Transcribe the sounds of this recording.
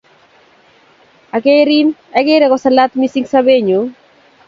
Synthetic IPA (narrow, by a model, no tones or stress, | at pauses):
aɡeɾinaɡeɾeɣosalat̪misiŋsaβeɲu